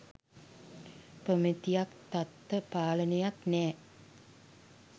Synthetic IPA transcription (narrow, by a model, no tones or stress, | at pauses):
pomət̪ijakt̪at̪ːəpaːlənejaknɛː